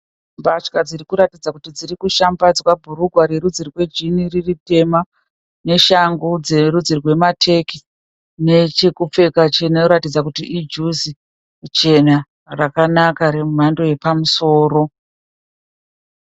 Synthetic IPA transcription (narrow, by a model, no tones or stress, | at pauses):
mbat͡ʃkad͡ziɾikuɾatid͡zakutid͡ziɾikuʃambad͡zwabʱuɾuɡʱwaɾeɾud͡zirrwe̞d͡ʒiniririte̞ma | ne̞ʃaŋɡud͡ze̞ɾud͡zirwe̞matʰe̞ki̥ | ne̞t͡ʃekup͡fe̞kat͡ʃeneuɾatid͡zakutiʔid͡ʒuzi | t͡ʃe̞na | rakanakaɾemum̤ando̞je̞pamuso̞ːɾo̞